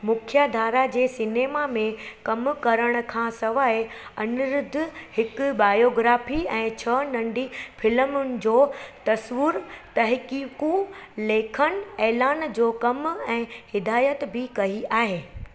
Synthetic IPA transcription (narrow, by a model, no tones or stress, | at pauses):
mʊkʰjad̪ʱaːɾad͡ʑeːsɪneːmamẽkɐmkɐɾəɽ̃ʊ̆kʰãːsɐʋaːe | ɐnʊɾʊd̪ʱʊ̆hɪkbaːjoːɡɾaːfiɛ̃ːt͡ɕʰɐnɐ̃ɳɖifɪlmʊnɪ̆d͡ʑoːt̪ɐsʋʊɾt̪ɐɦkikũleːkʰənɛːlaːnd͡ʑoːkɐmɛ̃ːhɪd̪aːjət̪bʱɪkɐiʔaːɦeː